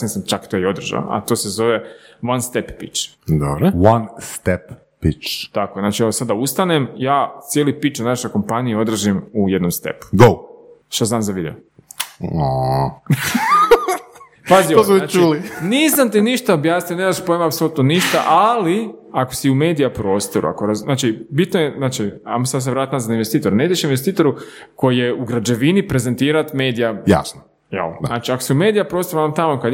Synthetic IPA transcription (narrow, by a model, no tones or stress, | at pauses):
nisamt͡ʃakt̪ojeo̞d̪r̩ʒa̰a̰t̪o̞ːse̞zo̞ʋe̞ | ʋanst̪eppit͡ʃ | d̪obɾowanst̪ɛpː | it͡ʃt̪akoeznat͡ʃieʋosad̪dːaust̪anemjaːt̪sjelipit͡ʃanaʃo̞jko̞mpanijeo̞d̪ɾr̩ʒimuje̞d̪no̞mst̪ḛpu̥ɡowʃt̪azaːnzaʋid̪e̞o | o | pazioosnaːt͡ʃiuːlinisamt̪iniʃt̪aobjaːsnijoneɾaspoemaːpsolut̪noniʃt̪a̰ʔaliakosiume̞ːd̪ijapɾo̞ːst̪oɾṵa̰koɾanaːt͡ʃibit̪nojeznaːt͡ʃia̰mosad̪s̬eɾaːt̪mazaainʋest̪iːt̪oɾuneid̪eʃinʋest̪iːt̪o̞ɾuko̞jjeuɡɾad͡ʒeʋinipɾe̞ze̞nt̪iːɾat̪me̞ːd̪ijaja̰sno | jɛ̰lnaːt͡ʃiakosiume̞ːd̪ijapɾo̞ːst̪oɾuamt̪amokad̪